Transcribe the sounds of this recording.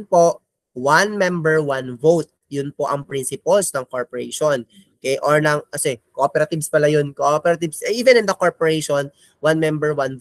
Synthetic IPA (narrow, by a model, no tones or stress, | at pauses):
npoʔ | wanmɛmbɛɹwanvowt̪̚jʊnpoʔɐŋpɾinsɪpɐlsnɐŋkoɹpoɹɛʃon | kɛʔoɹnɐŋkɐsɛkoʔopɛɾɐt̪ɪbspɐlajonkoʔopɛɾɐt̪ɪbsʔiːvɛnɪnd̪ɐkoɹpoɹɛjʃon | wanmɛmbɛɹwan